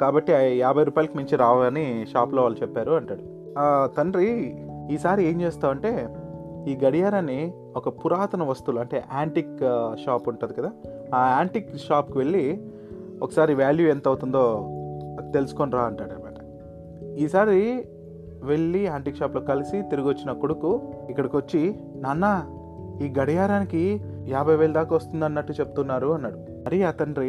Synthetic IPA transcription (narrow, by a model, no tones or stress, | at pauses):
kaːbɐʈːiaːbʱɐjɾuːpaːjilɐkimiɲt͡ʃiɾaːʋaniʃaːploːʋaːlut͡ʃɛpːaːɾuɐɳʈaːɽu | t̪ɐɳɖɾiiːsaːɾie̞ːɲt͡ʃeːst̪aːʋɐɳʈe̞ːiːɡɐɽijaːɾɐni | ɔkɐpuɾaːt̪ɐnɐʋɐst̪uluɐɳʈe̞ːʔaːɳʈikʃaːpuɳʈuːd̪ikɐd̪aː | aːɳʈikʃaːpkiʋe̞ɭːi | ɔ̰kɐsaːɾiʋaːljuent̪ɐwut̪und̪o̞ː | t̪e̞lusu̥konɾaːɐɳʈaːɽɐbɐːʈɐ̥ | iːsaːɾi | ʋe̞ɭːiaːɳʈikʃaːplo̞ːkɐlisit̪iɾuɡʋɐt͡ʃːinɐkoɽukuikːɐɽɐkʋot͡ʃːi | nɐnːɐ | iːɡɐɽɐjaːɾaːniki | jaːbʱɐjʋeːɭd̪aːkaːʋɐst̪und̪ɐnːɐʈːut͡ʃe̞pu̥t̪unːaːɾuɐnːaːɽu | mɐɾiɐt̪ɐnɾ